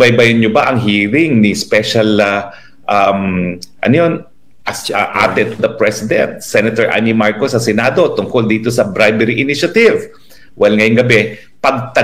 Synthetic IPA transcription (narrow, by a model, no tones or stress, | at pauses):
bɐjbɐjʊnɲobaʔɐŋɦiːɾɪŋnɪspɛʃɐl | ʔamʔɐ̰nojo̞n | ʔɐsaʔa̰ːt̪ɛd̪̚t̪ʊd̪ɐpɹɛsɪd̪ɛ̰nt̪̚sɛnɐt̪ɛɹʔa̰mimaɹkosɐsɛnaːd̪o̞t̪ʊŋkold̪iːt̪o̞sɐbɾajbɛɾiʔɪniʃɐt̪ɪv | wʔɛlŋɐjʊŋɡɐbɛ | pɐɡ̚t̪ɐ